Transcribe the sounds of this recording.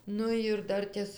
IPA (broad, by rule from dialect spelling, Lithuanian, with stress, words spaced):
ˈnʊ ɪr ˈdɐrʲtʲeːs